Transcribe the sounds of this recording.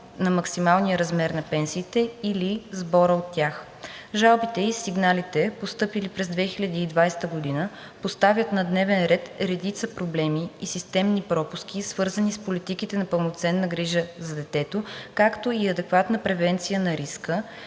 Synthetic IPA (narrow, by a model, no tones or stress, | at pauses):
nɐmɐksimalˠnijəɾɐzmɛɾnɐpɛnsiːt̪ɛilizbɔɾəot̪ːʲjax | ʒalˠbit̪ɛisiɡnalit̪ɛpost̪ɤpilipɾɛzd̪vɛxilʲɐd̪iːd̪vajst̪əɡod̪inə | post̪avjət̪nɐd̪nɛvɛnɾɛt̪ɾɛd̪it̪səpɾoblɛmiːsist̪ɛmnipɾɔpuskʲisv̥ɤɾzənispolit̪ik̟it̪ɛnɐpəlˠnot̪sɛnːəɡɾiʒəzɐd̪ɛt̪ɛt̪okakt̪oiɐd̪ɛkvat̪nəpɾɛvɛnt̪sijənɐɾiskə